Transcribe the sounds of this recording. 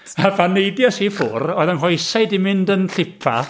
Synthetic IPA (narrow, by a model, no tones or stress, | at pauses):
avanejdjɔsifʊrɔːðənɦɔjsajdimɪndənɬɪpʰa̰